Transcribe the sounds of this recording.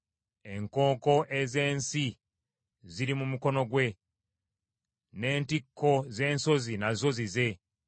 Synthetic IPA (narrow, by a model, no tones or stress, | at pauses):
e̞ŋko̞ːko̞ʔe̞ze̞ːnsi | ziɾimumuko̞no̞ɡwe̞ | ne̞ːntikʰːo̞ze̞ːnso̞zinazo̞zize̞